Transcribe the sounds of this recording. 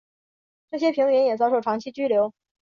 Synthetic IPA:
ʈ͡ʂɤ˥˩ɕjɛ˥pʰi˧˥ŋɥɛ˧˥njɛ˨˩t͡sɑ˥ʊʂʊʈ͡ʂʰɑ˧˥ŋt͡ɕʰi˥t͡ɕy˥ljo˧˥ʊ

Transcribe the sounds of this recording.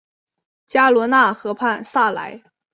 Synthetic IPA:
t͡ɕja˥lwɔ˧˥na˥˩xɤ˧˥pʰa˥˧nsa˥˩la̰˧˥ɪ

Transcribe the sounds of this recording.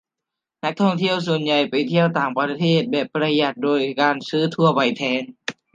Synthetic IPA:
na˦˥k̚t̪ʰɔ˥˩ŋt̪ʰi˥˩əwsu˨˩ənja˨˩jpa˨jt̪ʰi˥˩əwt̪aː˨˩ŋpɾa˧t̪ʰeː˥˩t̪̚bɛː˨˩p̚ːɾa˧ja˨˩t̪̚doː˧jkaː˧nsɯː˦˥t̪ʰu˧ɐpa˨˩jt̪ʰɛː˧˥n

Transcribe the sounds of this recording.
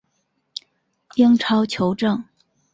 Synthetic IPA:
ji˥ŋʈ͡ʂʰɑ˥ʊt͡ɕʰjo˧˥ʊʈ͡ʂɤ˥˩ŋ

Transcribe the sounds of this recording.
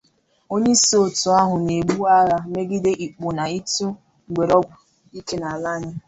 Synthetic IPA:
o˦ɲe˦so˨tʊ˨a˦ɦʊ˨ne˨ɡ͡bu˦a˦ɾa˦me˦ɡɪ˦de˦ʔi˨k͡po˨na˨i˦tu˦ | ŋ̩˨ɡ͡bʷe˨ɾɔ˦ɡʷʊ˨ | i˦ke˦na˨la˦ɲɪ˦

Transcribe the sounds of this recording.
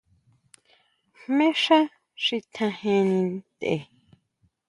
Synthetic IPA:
mẽ˦ʂã˦ | ʂi˧t̪ʰã˧hẽ˧nĩ˧nt̪ḛ˧˨

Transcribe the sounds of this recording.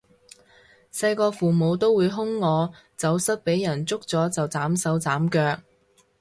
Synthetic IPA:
sɐ˧jkɔː˧fuː˨˩mo˨˧wt̪o˥wuː˨˧jɦʊ˥ŋːɔː˨˧ | t͡sɐ˨˥wsɐ˥t̚pe˨˥jːɐ˨˩nt͡sʊ˥k̚t͡sɔː˨˥t͡sɐ˨wt͡saː˨˥msɐ˨˥wt͡saː˨˥mkœː˧k̚

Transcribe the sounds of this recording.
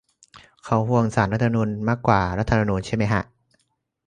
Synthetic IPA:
kʰa˦˥whu˧˩əŋsaː˩˦nɾa˦t̪ʰːa˧ma˧uː˧nmaː˥˩kːwaː˨˩ɾa˦˥t̪ʰːma˧nuː˧nt͡ɕʰa˥˩jma˦˥jkʰa˧˥ʔ

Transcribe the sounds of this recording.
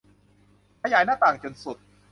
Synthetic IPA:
kʰaː˧jaː˩˦jnaː˥˩t̪aː˨˩ŋt͡ɕo˧nsu˨˩t̪̚

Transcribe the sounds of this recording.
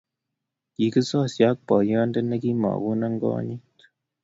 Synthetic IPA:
ki˨kɨ˦sɔ˦˨sja˨˦k̚pɔ˨jɔ˦ndə˦na˦ki˦ma̰˨wu˦na˦ŋɡɔ̰˦ɲi˦t

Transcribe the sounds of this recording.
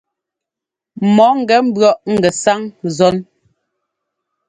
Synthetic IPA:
mɔ˨˦ŋ̩˨ɡɛ˨˦m̩˦bɰɔ˦˨ʔŋ̩˨ɡɛ˨sa˦ŋzɔ˦n

